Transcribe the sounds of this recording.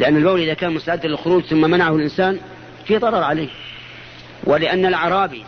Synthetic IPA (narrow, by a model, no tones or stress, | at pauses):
lɪʔanːalbawlʔɪðakaːnmʊst̪aʕɪd̪ːalɪlxʊɾuːd͡ʒθʊmːamanaʕahʊlʔɪnsaːn | fiːðˤɑɾˤɑɾˤʕaleːh | wʔɪlɪʔanːalʕɑɾˤɑːbḭ